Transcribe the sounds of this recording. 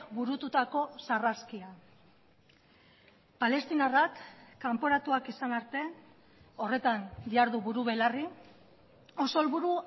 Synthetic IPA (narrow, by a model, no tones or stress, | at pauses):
βuɾut̪ut̪ako̞saraskia | pale̞st̪inarakːampo̞ɾat̪uakisanaɾt̪e̞ | o̞re̞t̪and̪iaɾðuβuɾuβe̞lari | oso̞lβuɾu